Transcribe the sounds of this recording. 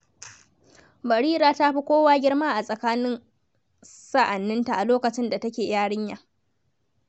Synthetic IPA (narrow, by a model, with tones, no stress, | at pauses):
bɐ˨ɽiː˦ɾaː˨ta˦ɸi˦kʷoː˦waː˦ɡʲɪ˦ɽmaː˦ʔa˨sʼɐ˨kaː˦nɪ˦n | sa˦ʔa˨nːɪ˦nta˨ʔa˨loː˦kɐ˨t͡ʃɪ˦nda˨tɐ˦kʲeː˨jaː˦ɽɪ˦ɲjaː˨